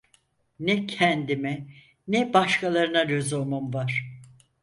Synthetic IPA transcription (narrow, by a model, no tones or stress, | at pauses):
nɛcʰɛnd̪imɛ | nɛbaʃkʰalˠaɾɯnaɾøzomumvaɾ̥